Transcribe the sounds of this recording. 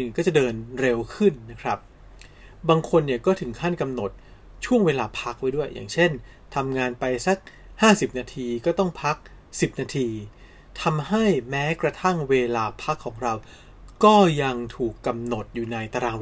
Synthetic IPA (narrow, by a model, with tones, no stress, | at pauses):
kɔː˥˩t͡ɕa˨˩dɤː˧nɾe˧wkʰɯ˥˩nːa˦˥kʰɾa˦˥p̚ | baː˧ŋkʰo˧nːi˥˩kɔː˥˩t̪ʰɯ˩˦ŋkʰa˥˩nka˧mno˨˩t̪̚ | t͡ɕʰu˥˩əŋweː˧laː˧pʰa˦˥k̚wa˦˥jdu˥˩əjːʔa̰ː˨˩ŋt͡ɕʰe˥˩n | t̪ʰa˧mŋaː˧npa˧jsa˦˥k̚ | haː˥˩si˨˩p̚naː˧t̪ʰiː˧kɔː˥˩t̪ɔ˥˩ŋpʰa˦˥k̚ | si˨˩p̚naː˧t̪ʰiː˧ | t̪ʰa˧mha˥˩jmɛː˦˥kɾa˧t̪ʰa˥˩ŋweː˧laː˧pʰa˦˥kʰːɔː˩˦ŋɾa˧w | kɔː˥˩ja˧ŋt̪ʰuː˨˩kːa˧mno˨˩t̪̚juː˨˩na˧jt̪a˧ɾaː˧